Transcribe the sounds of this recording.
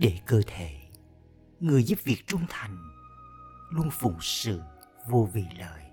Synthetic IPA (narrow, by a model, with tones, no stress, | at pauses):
ɗe˧˩kəː˧t̪ʰe˧˩˨ | ŋɨ˨˩əjzu˦˥p̚vi˨˩ək̚t͡ɕʊ˧ŋ͡mt̪ʰa˨˩jŋ̟ | lu˧ənfʊ̰˧˩˦ŋ͡msɨ̰˧˨ | vu˧vi˨˩lə̰ː˨j